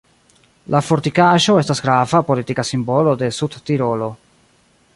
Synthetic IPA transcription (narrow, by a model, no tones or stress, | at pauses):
lafo̞ɾtikaʃo̞e̞stasɡɾavapo̞litikasimbo̞lo̞de̞sudtiɾo̞lo̞